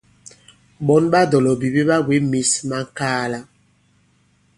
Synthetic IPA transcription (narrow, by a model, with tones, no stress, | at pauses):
ɓɔ˦nɓa˦dɔ˨lɔ˨bi˨bi˦ɓa˦we˦mi˨sma˦ŋ˦kaː˦la˦